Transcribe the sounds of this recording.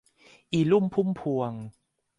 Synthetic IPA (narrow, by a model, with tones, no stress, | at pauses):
ʔiː˨˩lu˥˩mpʰu˦˥˩mpʰu˧əŋ